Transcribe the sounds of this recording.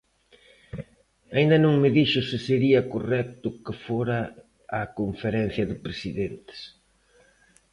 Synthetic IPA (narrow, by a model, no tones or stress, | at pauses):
aind̪ɐnõŋmɪðiʃʊsɪseɾiɐkorɛk̚t̪ʊkɪfoɾɐː | koɱfeɾɛn̟θjɐðɪpɾesiðent̪ɪ̥s